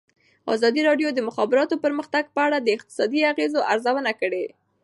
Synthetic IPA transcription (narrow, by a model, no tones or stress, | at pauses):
ɑ̰zɑd̪iɾɑɖjod̪əmʊxɑbɪɾɑt̪opəɾməxt̪aɡ̚pəaɽad̪əɪq̚t̪ɪ̥sɑd̪iaɣezoʔaɾzawənakəɽe